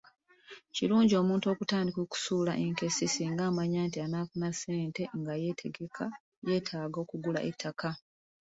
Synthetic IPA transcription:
ciluːɲɟio̞ːmuːnto̞ːkutaːndikoːku̥suːlaʔe̞ŋke̞sisiːŋɡaːmaɲaːntianaːfunase̞ːnte̞ŋɡaje̞tʰe̞ɡekʰa | je̞ːtʰaːɡo̞ːkuɡula̰ʔetʰːakʰa

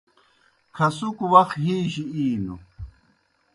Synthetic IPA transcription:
kʰɐsukuwɐxɦiːɕiiːnṵ

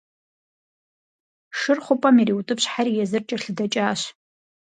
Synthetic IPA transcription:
ʂɨrχʷʊpʼamiɾiwutʼɨpɕħarijazɨrt͡ʃʼaɬdat͡ʃʼaːʃ

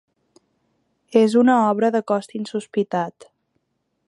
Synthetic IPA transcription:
ezunəɔβɾəðəkɔst̪insuspit̪at̪

